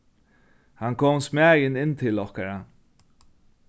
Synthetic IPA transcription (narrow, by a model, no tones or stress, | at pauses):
hankʰɔːmsmɛːjɪnɪnːt̪ʰɪlɔhkaɹa